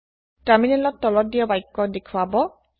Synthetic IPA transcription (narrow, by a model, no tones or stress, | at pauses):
taminɛlɔtːɔlɔt̚dijɔbajkːɔdekʰwabɔ